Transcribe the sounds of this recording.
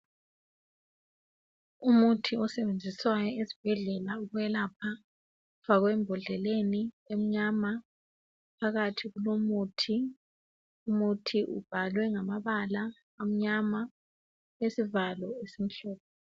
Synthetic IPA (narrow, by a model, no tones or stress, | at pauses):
umutʰiɔsɛβend͡zʱiswajɔezi̥b̥ʱɛɮɛlauɣuɛlapʰa | faɣwɛmbʱɔɮɛleni | em̩ɲama | pʰaɣatʰiɣulomutʰi | umutʰiʔṵb̥ʱalwɛŋamaβala | am̩ɲama | esivalɔesim̩ɬɔːp̚ʰɔ